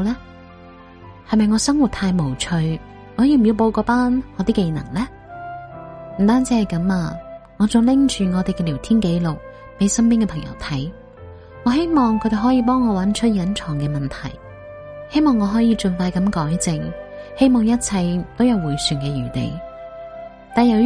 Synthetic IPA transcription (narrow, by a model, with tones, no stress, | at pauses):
lɛː˥ | hɐ˨jmɐ˨jŋɔː˨˧sɐ˥ŋwu˨t̚t̪ʰaː˧jmo˨˩wt͡ʃʰɵ˧ɥ | ŋɔː˨˧jiː˨˩m̩˨˩ji˧wp̬o˧wkɔː˨˧˥paː˥nŋɔː˨˧t̪iː˥ke˧nɐ̰˨˩ŋlɛː˥ | m̩˨˩t̪aː˥nt͡siː˨˥hɐ˨˩jkɐ˨˥maː˧ | ŋɔː˨˧t͡sʊ˨˧lɪ˥ŋt͡ʃʰyː˨ŋɔː˨˧t̪e˨jkɛ˧liː˨˩wt̪ʰiː˥nke˨˥jlʊ˨k̚ | pe˨˧jsɐ˥mpiː˥nkɛː˧pʰɐ˨˩ŋjɐ̰˨˩wt̪ʰɐ˨˥j | ŋɔː˨˧ɦe˥jmɔː˨ŋkʰɵ˧t̪e˨ɦɔː˨˥jiː˧p̬ɔː˥ŋːɔː˨˧wɐ˨˥nt͡ʃʰɵ˥t̚jɐ˨˥nt͡ʃʰɔː˨˩ŋkɛː˧mɐ˨nt̪ʰɐ̰˨˩j | he˥jmɔː˨ŋːɔː˨˧ɦɔː˨˥jiː˧t͡ʃɵ˨nfaː˧jkɐ˨˥mkɔː˨˥jt͡sɪ˧ŋhe˥jmɔː˨˩ŋjɐ˥t̚t͡sʰɐ˧jt̪o˥wjɐ˨˧wːuː˨˩jsyː˨nkɛː˧jyː˨˩t̪ḛ˨j | t̪aː˨njɐ˨˧w